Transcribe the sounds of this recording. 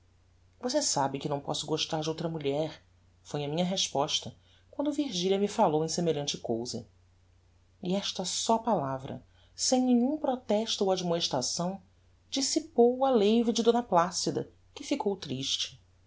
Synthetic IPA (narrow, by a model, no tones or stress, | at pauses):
vosesabɪkɪnɐ̃w̃pɔsʊɡoʃt̪aɾd͡ʒɪowt̪ɾɐmuʎɛɾ | fojɐmĩɲɐɦeʃpɔʃt̪ɐ | kwɐ̃nd̪ʊviɾʒiʎɐmɪfalowẽj̃semeʎɐ̃nt͡ʃɪkowzɐ̰ | iɛʃt̪ɐsɔpalavɾɐ̰ | sẽj̃nẽɲũpɾɔt̪ɛʃt̪ʊowad͡ʒmoeʃt̪ɾasɐ̃w̃ | d͡ʒisipowɐlejvɪd͡ʒɪd̪õnɐplasid̪ɐ | kɪfikʰowt̪ɾiʃt͡ʃɪ̥